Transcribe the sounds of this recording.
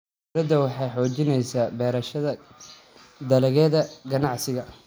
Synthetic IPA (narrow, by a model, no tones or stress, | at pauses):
ɾɐd̪ɐwɑħɑjħɔːt͡ʃɪnɛjsaːbɛːɾɐʃɐðɐ | d̪ɐlɛɣɛːðɐɡɐnɑʕsɪɣɐ